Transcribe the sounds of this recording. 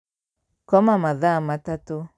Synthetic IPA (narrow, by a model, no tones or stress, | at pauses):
kɔmamaðamatat̪u